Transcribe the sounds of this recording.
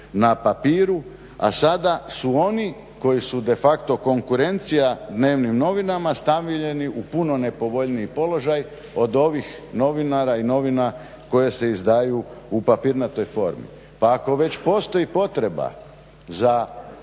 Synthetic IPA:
napapiːɾu | a̰sad̪asuo̞ni | ko̞jisud̪e̞fakt̪o̞ko̞ŋkuɾe̞nt̪sijad̪ne̞ːʋnimno̞ʋinamast̪aʋiʎe̞niʔupuno̞ne̞po̞ʋo̞ʎniipo̞lo̞ʒaj | o̞d̪o̞ʋixno̞ʋinaɾaino̞ʋina | ko̞je̞se̞izd̪aːjuupapiːɾnat̪o̞ːjfo̞̰ɾmḭ | paːko̞ʋe̞t͡ɕpo̞ːst̪o̞jipo̞t̪ɾe̞ba̰ | za

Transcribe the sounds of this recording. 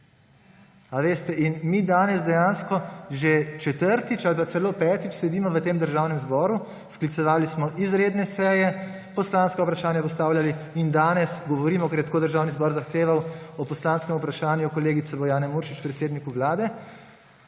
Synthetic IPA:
aʋeːst̪ɛʔinmiːd̪aːnɛzd̪ɛjaːnskɔʒet͡ʃɛt̪əɾt̪it͡ʃalpat̪sɛloːpɛːt̪it͡ʃsɛd̪iːmɔʋət̪eːmd̪əɾʒaːwnɛmzbɔːɾu | sklit̪sɛʋaːlismɔʔizɾeːd̪nɛsɛːjɛ | pɔslaːnskaupɾaʃaːnjapɔs̬t̪aːwljaliind̪aːnɛsɡɔʋɔɾiːmɔkɛɾjɛt̪akod̪əɾʒaːwnizbɔːɾzaxt̪eːʋawɔpɔslaːnskɛmupɾaʃaːnjukɔleːɡit̪sɛbɔjaːnɛmuːɾʃit͡ʃpɾɛt̪seːd̪nikuʋlaːd̪ɛ

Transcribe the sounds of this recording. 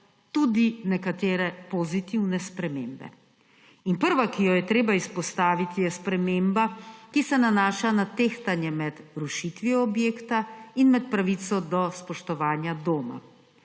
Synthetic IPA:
t̪ud̪inɛkat̪eːɾɛpɔzit̪iwnɛspɾɛmeːmbɛ̰ | inpəɾʋakijɔjɛt̪ɾeːbaispɔst̪aːʋit̪ijɛspɾɛmeːmbakisɛnanaːʃanat̪eːxt̪anjɛmɛd̪ɾuʃit̪ʋiɔbjeːkt̪ainmɛt̪̚pɾaʋit̪sɔd̪ɔspɔʃt̪ɔʋaːnjad̪oːma̰

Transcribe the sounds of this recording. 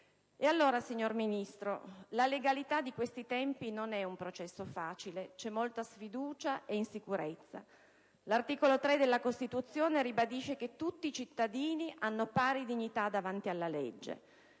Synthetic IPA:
ealːoːɾasiɲːorminist̪ɾolaleɡalit̪ad̪ːikwest̪it̪ɛmpinonɛumpɾot͡ʃɛsːofaːt͡ʃilet͡ʃɛmːolt̪asfid̪uːt͡ʃaʔeinsikuɾet̪sːa̰ | lart̪iːkolot̪ɾed̪elːakost̪it̪ut̪sːjoːneɾibad̪iʃːeket̪ːut̪ːiːt͡ʃit̪ːad̪iːniʔanːopaːɾid̪iɲːit̪ad̪avant̪ialːalḛd͡ʒːḛ

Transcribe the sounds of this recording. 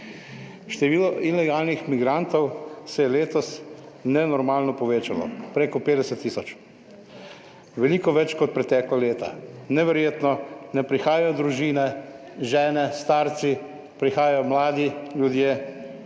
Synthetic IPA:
ʃt̪ɛʋiːlɔʔilɛɡaːlnixmiɡɾant̪ɔwsɛjɛleːt̪ɔs | nɛnɔɾmaːlnɔpɔʋeːt͡ʃalɔ̰pɾeːkɔpeːd̪ɛsɛt̪ːiːsɔt͡ʃ | ʋɛlikɔʋɛt͡ʃkɔt̪̚pɾɛt̪ɛːklɔleːt̪a̰nɛʋɛɾjeːt̪nɔnɛpɾixaːjajɔd̪ɾuʒiːnɛ | ʒɛːnɛst̪aːɾt̪si | pɾixaːjajɔmlaːd̪iljud̪jeː

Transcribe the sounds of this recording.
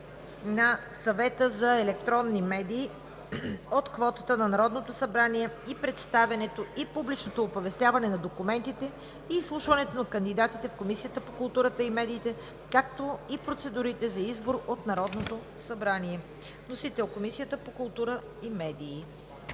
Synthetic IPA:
nɐsɐvɛt̪əzɐɛlɛk̚t̪ɾɔnːimɛd̪iː | ot̪kvɔt̪ət̪ənɐnɐɾɔd̪not̪osɐbɾaniɛipɾɛt̪st̪avʲɐnɛt̪oipublit͡ʃnot̪oːpovɛst̪ʲjavɐnɛnɐd̪okumɛnt̪it̪ɛ | iːslˠuʃvɐnɛt̪onɐkənd̪id̪at̪it̪ɛfkomisijət̪əpokʊlˠt̪uɾət̪əimɛd̪iːt̪ɛ | kak̚t̪oipɾot̪sɛd̪uɾit̪ɛzɐizboɾot̪nɐɾɔd̪not̪osɐbɾaniɛ | nosit̪ɛlˠkomisijət̪əpokʊlˠt̪uɾə | imɛd̪iː

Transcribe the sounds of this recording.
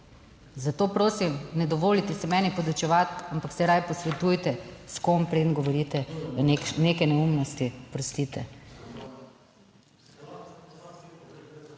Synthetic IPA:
zat̪oːpɾoːsimnɛd̪ɔʋoːlit̪ɛsɛmɛːnipɔd̪ɔt͡ʃɛʋat̪ampaksɛɾajpɔsʋɛt̪ujt̪ɛskompɾed̪ənɡɔʋɔɾit̪ɛ | nekɛnɛumnɔst̪ipɾɔst̪it̪ɛ

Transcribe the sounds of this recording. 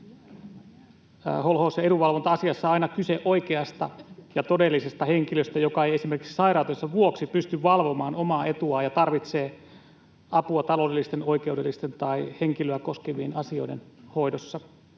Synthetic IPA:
holhoːsjɑeduʋɑlʋont̪ɑɑsiɑsːɑɑinɑkyseʔoikeɑst̪ɑjɑt̪odelːisest̪ɑheŋkiløst̪æjokɑejesimerkiksi̥sɑiɾɑut̪osːɑʋuoksipyst̪yʋʋɑlʋomɑːnomɑːe̞t̪uɑjɑt̪ɑrʋit̪seː | ɑpuɑt̪ɑlo̞ːdelːist̪eno̞ike̞udelːist̪ent̪ɑiheŋkiløækoskeʋienɑsio̞̰idenho̞idosːɑ

